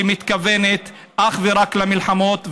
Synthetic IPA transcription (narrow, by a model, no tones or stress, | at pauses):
imit̪kavenet̪ | ʔaχveɾaklamilħamo̞t̪v